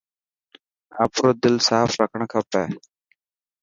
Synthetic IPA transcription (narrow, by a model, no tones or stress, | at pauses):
aːpɾoːd̪ɪlsaːfɾəkʰəɳ̃kʰəpɛː